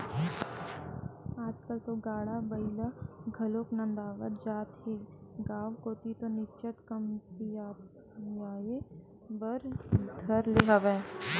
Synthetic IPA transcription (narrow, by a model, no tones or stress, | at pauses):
aːd͡ʒkəlt̪oɡaːɽabɐɪləɡʱɐloːknɐ̃nd̪aːʋət̪̚d͡ʒaːt̪ɦeːɡaːʋkoːt̪it̪onɪt͡ʃət̪kɐmsijaː | jaːje | bəɾd̪ʱɐɾleɦəʋɛ̃ː